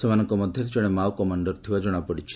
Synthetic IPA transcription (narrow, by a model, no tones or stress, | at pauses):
semanɔŋkɔmɔd̪ʱjɔɾed͡ʒɔɽ̃emawkɔmaɳɖɔɾt̪ʰibad͡ʒɔɽ̃apɔɽit͡ʃʰi̥